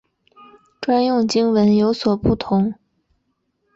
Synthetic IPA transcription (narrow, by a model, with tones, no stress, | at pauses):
ʈ͡ʂwa˥njʊ˥˩ŋt͡ɕi˥ŋwə˧˥njo˧˥ʊswɔ˨˩pu˥˩t̪ʰʊ˧˥ŋ